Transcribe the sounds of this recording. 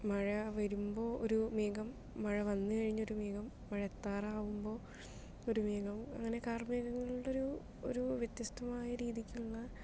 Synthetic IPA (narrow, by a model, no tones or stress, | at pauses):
mɐɻɐʋɐɾumbo̞ːoɾumiːɡɐmː | ɐɻɐʋɐnːɨkɐɻiɲːo̞ɾumiːɡɐmːɐɻɐet̪ːaːraːʋumbo̞ː | o̞ɾumiːɡɐmɐ̰ŋːɐne̞kaːrmiːɣɐŋːɐɭuɽo̞ɾu | o̰ɾuʋjet̪jɐst̪ʰɐmaːjɐɾiːðikʲːuɭːɐ